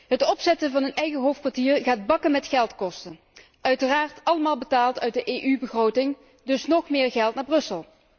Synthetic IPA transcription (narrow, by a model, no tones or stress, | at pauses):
ɦətɔpsɛtəvɑnənɛjɣəɦowfkʋaːɹtiːɹɣaːd̚bɑkənmɛtχɛlˠtkɔstən | ʔœɥtəraːɹtɑləmaːlˠbətaːlˠtœɥt̚dəʔejʔybəχrowtɪŋ | dɵsnɔχmɪːɹɣɛlˠtnaːɹbrɵsəlˠ